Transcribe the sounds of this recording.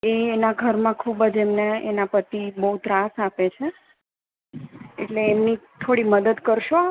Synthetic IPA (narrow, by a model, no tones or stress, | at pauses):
eːnaɡʱəɾmãkʰubəd͡ʒemneenapət̪ibəut̪ɾasapet͡ʃʰe | eʈleːmnit̪ʰoɽiməd̪əd̪kəɾʃo